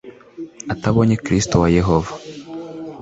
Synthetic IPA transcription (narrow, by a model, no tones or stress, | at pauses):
ataβoɲekɾistowajeɦovḁ